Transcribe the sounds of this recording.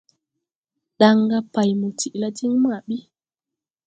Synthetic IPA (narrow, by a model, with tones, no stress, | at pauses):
ɗa˨ŋɡa˦pa˨jmu˨ti˨ʔla˦ti˦ŋma˨ɓi˦